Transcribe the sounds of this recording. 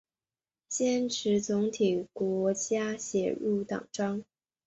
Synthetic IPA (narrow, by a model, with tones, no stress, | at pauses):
t͡ɕjɛ˥nʈ͡ʂʰɻ̩˧˥t͡sʊ˧˥ŋt̪ʰi˨˩kwɔ˧˥t͡ɕja˥ɕjɛ̰˨˩ɻu˥˩t̪ɑ̰˨˩ŋʈ͡ʂɑ˥ŋ